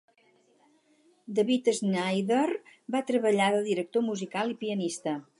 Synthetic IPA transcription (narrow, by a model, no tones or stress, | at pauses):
d̪əβit̪əznajðərbat̪ɾəβəʎaðəd̪iɾək̚t̪omuzikalˠipiənist̪ə